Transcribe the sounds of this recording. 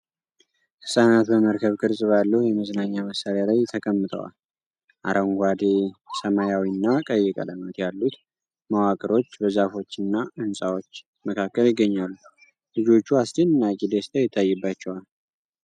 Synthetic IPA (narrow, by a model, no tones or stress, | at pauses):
hɨsʼanat̪bəməɾkʰəβkʼɨɾsʼɨβalːəhjɛməznaɲːaməsaɾalajt̪ʰəkʼəmːɨt̪ʰʼə̰wa̰l | ʔa̰ɾʔəŋɡʷad̪esəmajawinːakʼəjːɪkʼə̰ləmət̪jalːut̪ | mawakʼɨɾo̞t͡ʃːbəzafo̞t͡ʃːɨnːaɨnsʼawo̞t͡ʃː | məkʰakːəljɪɡːəɲːalːu | lɨd͡ʒo̞t͡ʃːuast͡ʃɛnɨnːakʼid̪est̪ʰʼajɛt̪ʰːajːɛbːat͡ʃːɛwal